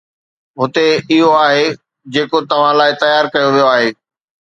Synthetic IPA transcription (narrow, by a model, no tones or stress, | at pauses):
ɦʊt̪eɪɦoaːɦe | d͡ʑeːkot̪ɐʋ̤ãlaːɪt̪ɐjaːɾkɐjoʋijoaːɦeː